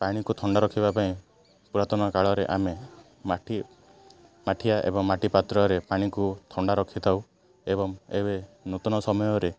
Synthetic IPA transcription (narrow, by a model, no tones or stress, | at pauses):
paɽ̃ikut̪ʰɔɳɖaɾɔkʰibapaĩ | puɾat̪ɔnɔkaɭɔɾeʔame | maʈʰi | maʈʰiaʔḛbɔŋmaʈipat̪ɾɔɾepaɽ̃ikut̪ʰɔɳɖaɾɔkʰit̪ʰaw | eβɔŋeβenot̪ɔnɔsɔmɔjɔɾe